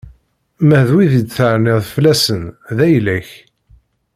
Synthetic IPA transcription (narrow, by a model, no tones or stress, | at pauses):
mæhðwiðid̪θəʕnɪʁðflæsənðæjlæç